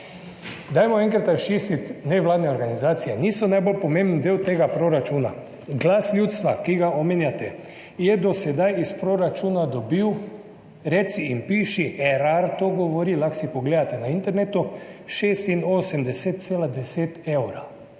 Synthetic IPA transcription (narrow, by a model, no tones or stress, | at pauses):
d̪ajmɔɛ̃ŋkɾat̪ɾʃiːsit̪nɛʋlaːd̪nɛoɾɡanizaːt̪sijɛniːsɔnajbolpɔmẽmbn̩d̪ewt̪eːɡapɾoɾat͡ʃuːna | ɡlaːslʲjuːt̪st̪ʋakiɡaʔomeːnjat̪ɛ | jɛd̪ɔsɛd̪ajispɾoɾat͡ʃuːnad̪ɔbiw | ɾɛt̪siinpiːʃiʔɛɾaɾt̪oɡɔʋɔɾiːlaxsipoɡleːd̪at̪ɛnaint̪ɛɾnet̪uʃeːst̪inoːsɛmd̪ɛset̪̚seːlad̪ɛset̪ewɾa